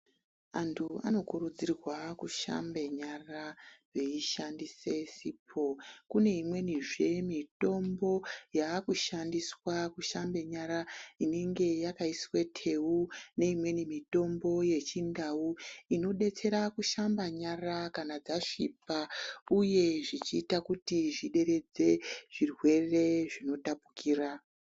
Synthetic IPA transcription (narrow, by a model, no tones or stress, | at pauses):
antʰua̰no̞kuɾud͡zirwakuʃa̰mbe̞ɲaraʐe̞iʃandise̞sipʰo̞kune̞imwe̞niʐe̞mito̞mbo̞jakuʃandiswakuʃambe̞ɲaɾaine̞ŋɡe̞jakaiswe̞tʰe̞une̞imwe̞nimito̞mbo̞je̞t͡ʃindauino̞ɗe̞t͡se̞ɾakuʃambaɲarakanad͡zaʂipauje̞ʐit͡ʃiːtakutiʐiɗe̞ɾe̞d͡ze̞ʐ̥irwe̞re̞ʐino̞tapukiːra